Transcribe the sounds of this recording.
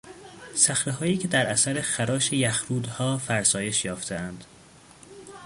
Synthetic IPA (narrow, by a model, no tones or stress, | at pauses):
sæxɾeɦɒːjiːcʰe̞d̪æɾʔæsæɾexæɾɒːʃe̞jæxɾuːd̪hɒːfæɾsɒːje̞ʃjɒːft̪ʰe̞ænd̪̥